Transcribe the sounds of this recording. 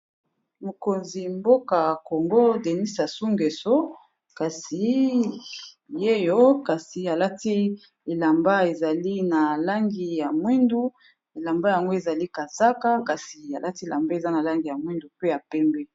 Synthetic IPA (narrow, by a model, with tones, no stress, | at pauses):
mo˨ko˨nzi˨mbo˦ka˨ko˨ŋɡo˦de˨ni˦sa˨su˦ŋɡe˨so˦ | ka˨si˨ | je˦jo˦ka˨si˨a˨la˦ti˦ | e˨la˨mba˦e˨za˨li˦na˨la˦ŋɡi˨ja˨mwi˦ndu˦ | e˨la˨mba˦ja˨ŋɡo˦e˨za˨li˦ka˨z̥a˦ka˦ka˨si˨a˨la˦ti˦e˨la˨mbe˦e˨za˦na˨la˦ŋɡi˨ja˨mwi˦ndu˨pe˦ja˨pɛ˦mbɛ˦